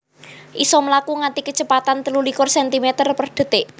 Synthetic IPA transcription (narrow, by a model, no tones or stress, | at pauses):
ʔisɔməlakuŋant̪ikə̥t͡ʃəpat̪ant̪əlulikʊrsɛnt̪imet̪ərpərd̪̥ə̤t̪eʔ